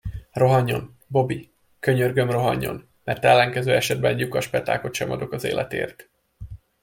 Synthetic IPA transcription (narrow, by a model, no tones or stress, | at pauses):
ro̞ɦɒɲːo̞̰n | bo̞bi | kø̞ɲørɡø̞mro̞ɦɒɲːo̞̰n | mɛrt̪ɛlːɛŋkɛzøːɛʃɛd̪bɛnjukɒʃpɛt̪a̰ːko̞t̪ʃɛmɒd̪o̞kɒzḛːlʔɛ̰t̪ḛːrt̪